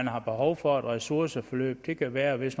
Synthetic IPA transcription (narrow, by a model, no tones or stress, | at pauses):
nɦɑ̈b̥e̝ɦɒʊfɒ̽ed̥ʁɛsuɐsəfɒlø̰ːb̥̚d̥e̝kʰæʋæːɐʋe̝sn